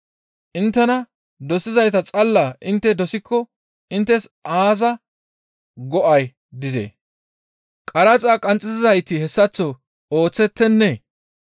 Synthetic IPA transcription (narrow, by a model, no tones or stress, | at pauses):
ʔɪnt̪ːɛnɐ | d̪ɔsɪzɐjt̪ɐt͡sʼɐlːaːʔɪnt̪ːɛd̪ɔsɪkːɔ | ɪnt̪ːɛsʔaːzɐ | ɡɔʔɐj | d̪ɪzḛː | kʼɐɾɐt͡sʼaːkʼɐnt͡sʼːɪzɪzɐjt̪ɪhɛsːɐt͡sːɔ | o̞ːt͡sːɛt̪ːɛnːɛ